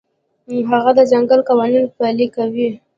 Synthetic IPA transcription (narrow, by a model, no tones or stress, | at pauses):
ɦaɣad̪əd͡ʒaŋɡəlkawɑninfalikawi